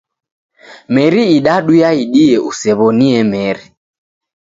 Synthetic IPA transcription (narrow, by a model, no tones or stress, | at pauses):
mɛɾiiɗaɗujaiɗiɛʔusɛβɔniɛmɛɾi